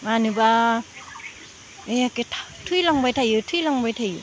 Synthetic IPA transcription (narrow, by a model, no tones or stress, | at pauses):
manɯba | eketʰḁtʰulaŋbajtʰajɯtʰuilaŋbajtʰajɯ